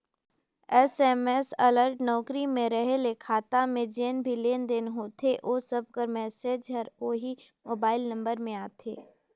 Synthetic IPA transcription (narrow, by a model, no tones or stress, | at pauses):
ɛsɛmɛsɐləɾʈnɔːkɾimẽɾəɦelekʰaːt̪amẽd͡ʒeːnbʱileːnd̪enɦoːt̪ʰeʔoːsəb̚ʱkəɾmɛːseːd͡ʒɦɐɾoːɦimoːbaːɪlnɐ̃mbəɾmẽaːt̪ʰḛː